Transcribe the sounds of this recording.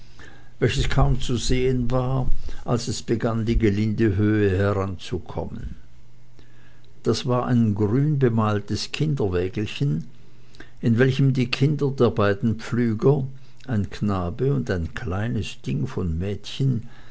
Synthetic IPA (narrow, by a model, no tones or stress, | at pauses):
vɛlçəskʰaʊmt͡suzeːənvaːɐʔalsɛsb̥əɡandiːɡəlɪndəɦøːəhɛʁant͡sukʰɔ̰mə̰n | d̥asv̥aːɐʔa̰ɪnɡʁyːnbəmaːltəskʰɪndɐvɛːɡl̩çən | ʔɪnvɛlçəmdiːkʰɪndɐdeːɐbaɪdn̩p͡flyːɡɐ | ʔaɪnkʰnaːbəʊndaɪnkʰl̥aɪnəsd̥ɪŋfɔnmɛːtçən